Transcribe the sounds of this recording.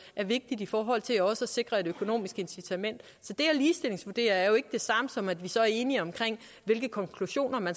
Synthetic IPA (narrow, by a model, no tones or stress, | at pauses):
ʔæɐʋe̝ɡ̥̚d̥id̥ifɒːɦɒ̽l̰t͡sʰe̝læɒ̽səæse̝ɡ̥ʁɐe̝d̥økʰo̝no̝̰ːmisɡ̥əe̝nsit͡sʰæmen̰d̥ | sɒ̽d̥e̝æliːsd̥e̝le̝ŋsʋuɐd̥e̝̰ːɐæɐjo̝e̝ɡ̥əd̥e̝sɑ̈məsɒ̽mæd̥ʋisɒ̽æɐe̝ːniɒ̽mkʰʁeŋ̰ | ʋe̝lɡ̥əkʰɒ̽ŋkʰluɕo̝̰ːnɐmæns